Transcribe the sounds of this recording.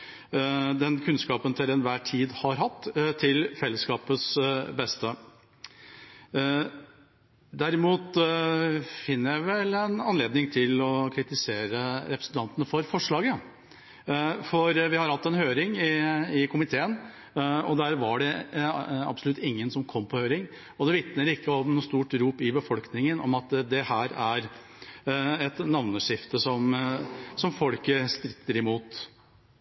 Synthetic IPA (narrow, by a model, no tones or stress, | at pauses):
d̪ɛnkʰʉnskɑːpənt̪ʰɪlɛnʋæːʈʰiːd̪hɑɾɦɑt̪ːt̪ʰːɪlfɛlːəskɑːpəsbɛst̪ə | d̪æɾɪmuːt̪ | fɪnːəjæɪʋɛlɛnɑ̰nleːd̪nɪŋt̪ʰɪlɔkʰɾɪt̪ɪseːɾəɾɛpɾəsənt̪ɑnt̪ənəfɔɾfɔʂɭɑːɡə | fɔɾʋɪhɑɾhɑt̪ːɛnhøːɾɪŋɪɪkʰʊmɪt̪ʰeːən | ɔd̪æːɾʋɑɖɛ | ɑ̰bsɔlʉt̪ːɪŋːənsɔmkʰɔmːpʰɔhøːɾɪŋ | ɔd̪ɛʋɪt̪nəɾɪkːəɔmnuːst̪uːʈɾuːpɪbəfɔlknɪŋənʔɔ̰mɑt̪d̪ɛhæːɾæɾ | ɛt̪nɑʋnəʂɪft̪əsɔm | sɔmfɔlkəst̪ɾɪt̪ʰːəɾɪmuːt̪